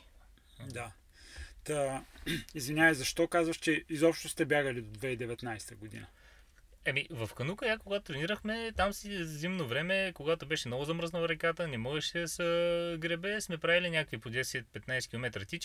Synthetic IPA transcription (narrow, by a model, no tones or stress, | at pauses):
d̪a | t̪ə | izvinʲavəzɐʃt̪ɔkazvəʃt͡ʃɛizɔpʃt̪ost̪ɛbʲjaɡəlid̪od̪vɛid̪ɛvɛt̪najst̪əɡod̪ḭnə | ɛmivɐfkɐnukəjakoɡat̪ot̪ɾɛniɾəxmɛt̪amsizimnovɾɛmɛkoɡat̪obɛʃɛmnɔɡʊzɐməɾznəlˠɾɛkat̪ənɛmɔʒɛʃɛsəɡɾɛbɛsmɛpɾavilinʲjakəkvipod̪ɛsɛt̪̚pɛt̪najsɛ̥kʲilˠomɛt̪ɾət̪it͡ʃ